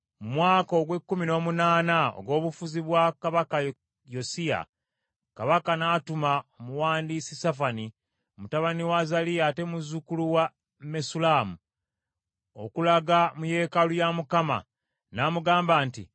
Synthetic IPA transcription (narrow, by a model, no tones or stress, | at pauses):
mumwaːko̞ɡwe̞kːumino̞ːmunaːnao̰ɡwo̞ːβufuziβwakaβakaj | josia̰ | kaβakanatumaomuwaːndiːsisafani | omutaβaniwazaliate̞muzukuluwa | mesulaːmu | o̰kulaɡamuje̞ːkalujamukama̰ | namuɡaːmbaːntḭ